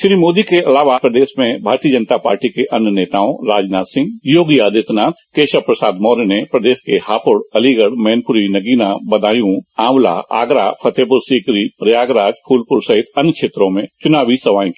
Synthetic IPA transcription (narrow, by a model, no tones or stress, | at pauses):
ʃɾiːmoːd̪ikeʔɐlaːʋapɾəd̪eːʃmẽbʱaːɾt̪iəd͡ʒə̃nt̪apa̰ːɾʈikeʔɐnjəneːt̪aːõɾaːd͡ʒnaːt̪sɪ̃ŋɡjoːɡjaːd̪ɪt̪naːt̪keːʃəpɾɐsaːd̪mɔːɾnepɾɐd̪eːʃkehaːpʊɽɐliɡəɽmɛːnpʊɾinɐɡiːnabɐd̪aːjũaːwla̰ːa̰ːɡɾa̰ːpʰɐt̪eːpʊɾsiːkɾiɾɪjaːɡɾaːd͡ʒpʰuːlpʊɾsɐɦɪt̪ɐnkʃʰeːt̪ɾõmẽt͡ʃʊnaːʋisɐʋaːĩk